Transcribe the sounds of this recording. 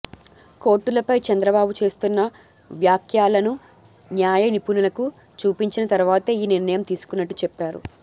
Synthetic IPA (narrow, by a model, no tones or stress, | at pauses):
ko̞ːɾʈːulɐpɐjt͡ʃɐnd̪ɾɐbaːbut͡ʃe̞ːst̪unːɐ | ʋjaːkʰjaːlɐnu | njaːjɐnipunulɐku | t͡ʃuːpiɲt͡ʃinɐt̪ɐɾuʋaːt̪ɐiːniɾnɐjɐmt̪iːsu̥kunːɐʈːu̥t͡ʃɛpːaːɾṵ